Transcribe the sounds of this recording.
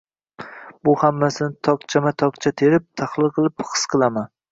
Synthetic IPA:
bʊhamːasɪnɪt̪ʰɒk̚t͡ʃʰamat̪ʰɒk̚t͡ʃʰat̪ʰe̞ɾɪp̚t̪ʰaχlˠɨlˠqʰɨlˠɪpχɨ̥sqʰɨlˠaman

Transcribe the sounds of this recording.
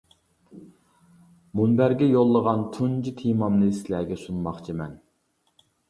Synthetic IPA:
munbæɾɡʲɛjolˠːəʁɑnt̪ʰund͡ʒit̪ʰimɑmnɨsɪlæɡʲɛsunmɑχt͡ʃʰimɛn

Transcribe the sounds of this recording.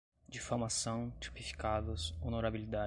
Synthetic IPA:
d͡ʒɪfoɾmasɐ̃w̃t͡ʃi̥pifi̥kad̪ʊsonoɾabilid̪a

